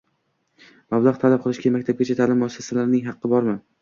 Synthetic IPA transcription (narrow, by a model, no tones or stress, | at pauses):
mablˠaʁt̪ʰalap̚qʰɨlˠɪʃɡʲamak̚ʲt̪ʰab̚ɡʲat͡ʃʰat̪ʰaːlɪmːʊasːasalaɾnɪŋɦɑqʰːɨbɒɾmɪ